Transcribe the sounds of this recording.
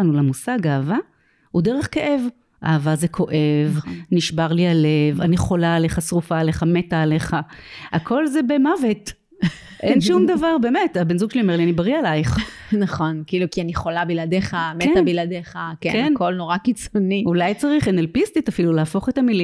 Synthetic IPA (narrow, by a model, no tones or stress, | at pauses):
nulamusaɡaːva | udeʁeχkeʔe̞v | ʔa̰ːvazekʰo̞ʔe̞vniʃbaʁlialevaniχo̞laːle̞χasʁufaːle̞χame̞taːle̞χaakʰo̞lzebe̞mavet | ʔenʃumd̪avaʁbe̞ːme̞tabenzuɡʃeliome̞ʁlianibaʁialajχnɐχonkiiːlukianiχo̞labiladeχametabiladeχakḛkenko̞lnoʁakit͡soniulajt͡saʁiχenelpist̪itafilulaaːfo̞χetamili